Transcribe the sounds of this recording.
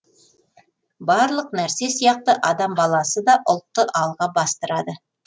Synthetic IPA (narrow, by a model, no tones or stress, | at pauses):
bɑɾlˠəq̚næɾse̞sijɑq̚t̪əʔɑd̪ɑmbɑlˠɑsəd̪ɑʔʊlˠt̪ːəʔɑlˠʁɑbɑst̪əɾɑd̪ə